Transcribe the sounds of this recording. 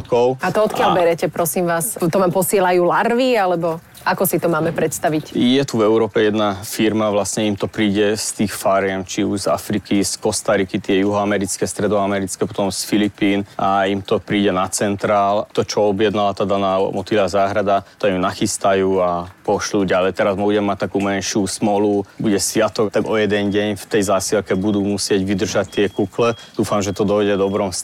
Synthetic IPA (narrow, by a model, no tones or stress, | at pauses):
kɔʊat̪ɔɔt̪kɪalbɛɾɛcɛpɾɔsimʋaːst̪ɔʋaːmpɔsɪɛlajuːlaɾʋialɛbɔ | akɔsit̪ɔmaːmɛpɾɛt̪st̪aʋicjɛt̪uvɛuɾɔːpɛjɛd̪nafiɾmaʋlasɲɛimt̪ɔpɾiːɟɛst̪iːxfaːɾɪɛmt͡ʃiuʒza̰fɾikiskɔst̪aɾikit̪ɪɛjuɦɔamɛɾit͡skɛːst̪ɾɛd̪ɔamɛɾit͡skɛːpɔ̥t̪ɔmsfilipiːnaimt̪ɔpɾiːɟɛnat͡sɛnt̪ɾaːlt̪ɔt͡ʃɔɔbjɛd̪nalat̪aːd̪anaːmɔt̪ilazaːɦɾad̪at̪ɔimnaxist̪ajuːapɔʃluːɟalɛjt̪ɛɾazmbuɟɛmːac̚t̪akuːmɛnʃusmɔlubuɟɛsʋɪat̪ɔɡt̪aɡɔjɛd̪ɛnɟɛɲft̪ɛjzaːsilkɛbud̪uːmusɪɛɟʋid̪r̩ʒact̪ːɪɛkuklɛd̪uːfamʒɛt̪ɔd̪ɔjɟɛd̪ɔbɾɔms